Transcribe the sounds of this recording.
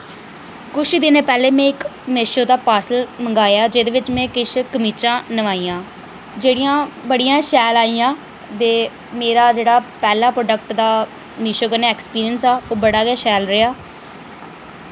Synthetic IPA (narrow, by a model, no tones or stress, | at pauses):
kʊt͡ʃʰd̪ɪneːpɛːleːmẽːɪkmeʃoːd̪aːpaːɾsəlməŋɡaːjaːd͡ʒeːd̪eːʋɪt͡ʃmɛ̃ːkɪʃkəmiːt͡ʃãːnəʋaːiːãː | d͡ʒeːɽijãːbəɽijãːʃɛːlaːiːãː | d̪eː | meːɾaːd͡ʒeːɽaːpɛːlaːpɾoːɖəkʈd̪aː | mɪʃoːkəneːɛːkspiːɾijənsɛːoːbəɽaːɡeːʃɛːlɾɪjaː